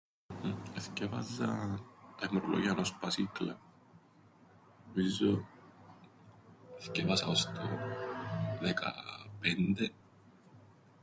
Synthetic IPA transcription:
eθcevɐ̰zɐt̪ɐemɾolo̰ʝiɐnospɐsiklɐ | omizːo | eθcevɐsɐost̪o | ðekɐ̰pend̪e

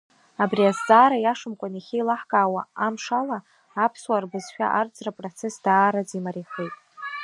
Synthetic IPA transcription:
abriazt͡sʼaːɾajaʂɨmkʷʼaniχʲijlaħɡʼaːwaamʂalaː | pʰswarbɨzʃᶣa̰ʔard͡zʼrapʼrot͡sʰe̞sd̥aːɾad͡zimaɾiχejtʼ

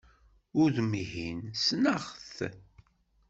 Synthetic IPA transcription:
ʊɾðmihinsnəʁθ

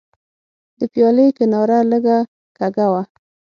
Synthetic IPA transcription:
d̪̥əpjɑləjkɪnɑɾaləɡa | kaɡawa

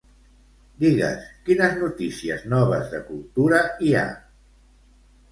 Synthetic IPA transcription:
d̪iɣə̰skinəznut̪isiəznɔβ̞əzðəkulˠt̪uɾəia̰

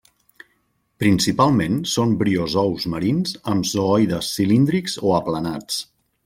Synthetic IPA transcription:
pɾinsipalˠmẽnsombɾiozɔwzməɾinzəmzoɔjðəsːilind̪ɾikzoəplənat͡s

